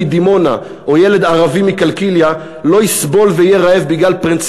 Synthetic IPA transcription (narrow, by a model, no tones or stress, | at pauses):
id̪imo̞na̰ | ojele̞d̪aʁavimikalkilja | lo̞jisbo̞lveijeʁaevbiɡlalpʁint͡s